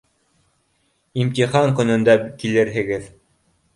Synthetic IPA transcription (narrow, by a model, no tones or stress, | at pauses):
imt̪iχɑŋkɵ̆nɵ̆nd̪ækilɘɾɦɘ̆ɡɘð